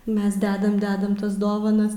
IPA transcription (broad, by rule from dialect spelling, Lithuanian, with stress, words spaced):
ˈmʲɛs ˈdʲæːdɐm ˈdʲæːdɐm ˈtɐs ˈdoːʋɐnɐs